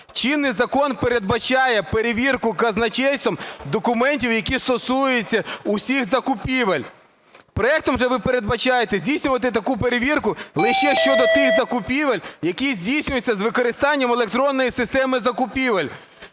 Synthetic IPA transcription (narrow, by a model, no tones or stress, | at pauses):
t͡ʃinːɪjzɐkɔnpeɾe̞d̪̚bɐt͡ʃɑjɛpeɾeʋʲirkʊkɐznɐt͡ʃɛjst̪ɔmd̪ɔkʊmɛnʲtʲiwjɐkʲist̪ɔsujet͡sʲːɐʊsʲixzɐkʊpʲiʋɐlʲ | pɾɔɛk̚t̪ɔmwʒɛʋɪpeɾe̞d̪bɐt͡ʃɑjet̪ɛzʲdʲijsʲnʲʊʋɐt̪ɪt̪ɐkupeɾeʋʲirkʊlˠɪʃɛʃt͡ʃɔd̪ɔt̪ɪxzɐkʊpʲiʋɐlʲjɐkʲizʲdʲijsʲnʲʊjʊt͡sʲːɐzʋɪkɔɾɪst̪ɑnʲːɐmelˠek̚t̪ɾɔnːɔjisɪst̪ɛmɪzɐkʊpʲiʋɐlʲ